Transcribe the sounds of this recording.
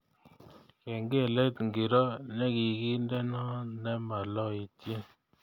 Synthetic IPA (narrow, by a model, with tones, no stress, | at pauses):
kɛ˨ŋɡe˦˨lɛ˦tŋɡi˨ɾɔ˦nɛ˦ki˨ki˦ndɛ˦nɔ˦nɛ˦ma˨lɔ˦i˨tje˦